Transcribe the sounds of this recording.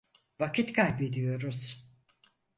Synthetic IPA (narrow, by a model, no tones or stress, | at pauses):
vakʰit̪kʰalbed̪ijo̞ɾuz̥